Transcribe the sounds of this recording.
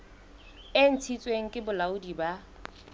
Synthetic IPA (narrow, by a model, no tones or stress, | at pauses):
ɪn̩t͡sʰit͡sʼweŋ̩kʼɪbʊlaʊdiba